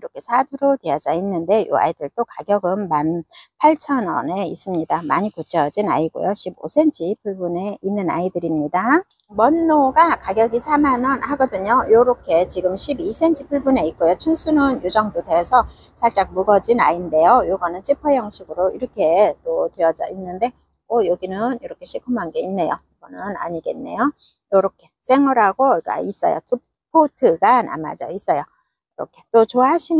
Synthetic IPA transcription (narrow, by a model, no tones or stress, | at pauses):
iɾʌkʰe̞sʰadʰuɾotwead͡ʑainːɯnde̞jo̰a̰idɯɭt͈okaɡjʌɡɯnmanpʰaɭt͡ɕʰʌnʌ̰neis͈ɯmɲidamaɲikut͡ɕʰʌd͡ʑina̰iɡo̰joɕʰibo̰sʰe̞nt͡ɕʰipʰuɭbune̞inːɯna̰idɯɾimɲida | mʌnːoɡakaɡjʌɡisʰamanʌnhaɡʌdɯɲojoɾokʰe̞t͡ɕiɡɯmɕʰibisʰe̞nt͡ɕʰipʰuɭbune̞it̚k͈ojot͡ɕʰunsʰunʌnjud͡ʑʌŋdodwesʰʌsʰaɭt͡ɕ͈ak̚muɡʌd͡ʑinainde̞jojoɡʌnɯnt͡ɕʰipʰʌjʌŋɕʰiɡɯɾoiɾʌkʰe̞t͈otweʌd͡ʑa̰ʔinːɯnde̞ | ʌjoɡinɯniɾʌkʰe̞ɕʰikʰumɦanɡe̞inːe̞jo̰iɡʌnɯna̰ɲiɡe̞nːe̞̰jo | joɾokʰe̞s͈eŋʌɾaɡok͈a̰is͈ʌ̰jo̰tʰu | pʰotʰɯɡana̰ma̰d͡ʑʌ̰is͈ʌjo | iɾʌ̰kʰe̞t͈ot͡ɕoaɦaɕʰin